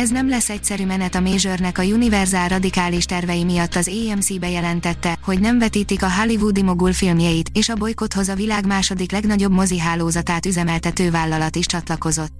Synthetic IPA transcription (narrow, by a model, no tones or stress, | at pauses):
ɛznɛmlɛsːɛc̚sɛɾymɛnɛt̪ɒmeːʒørnɛkɒjunivɛrzaːlrɒd̪ikaːliʃt̪ɛrvɛjimijɒt̪ːɒzeːɛmsiːbɛjɛlɛnt̪ɛt̪ːɛho̞ɟnɛɱvɛt̪iːt̪ikɒɦalivud̪imo̞ɡulfilmjɛjit̪eːʃɒbo̞jko̞t̪ho̞zɒvilaːɡmaːʃo̞d̪iklɛɡnɒɟo̞bmo̞ziɦaːloːzɒt̪aːt̪yzɛmɛlt̪ɛt̪øːvaːlːɒlɒt̪iʃt͡ʃɒt̪lɒko̞zo̞t̪ː